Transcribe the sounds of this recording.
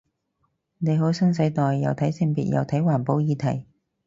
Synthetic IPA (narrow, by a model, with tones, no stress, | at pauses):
ne˨˧jɦo˨˥wsɐ˥ns̬ɐ˨˥jt̪ɔː˨jːɐ˨˧wt̪ʰɐ˨˥jsɪ˥ŋpḭː˨t̚jɐ̰˨wt̪ʰɐ˨˥jwaː˨˩npo˨˥wjiː˨˧t̪ʰɐ˨˩j